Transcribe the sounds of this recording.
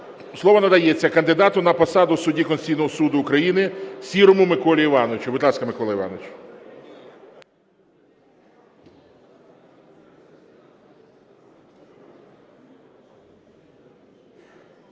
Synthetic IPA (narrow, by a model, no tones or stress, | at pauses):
slˠɔʋɔnɐd̪ɐjɛt͡sʲːɐkɐnd̪ɪd̪ɑt̪ʊnɐpɔsɑd̪ʊsʊdʲikɔnʲsʲijnɔɦɔsud̪ʊːkɾɐjinɪsʲiɾɔmʊmɪkɔlʲiiʋɑnɔʋɪt͡ʃʊʋɪd̪lˠɑskɐmɪkɔlˠɐiʋɑ̰nɔʋɪt͡ʃ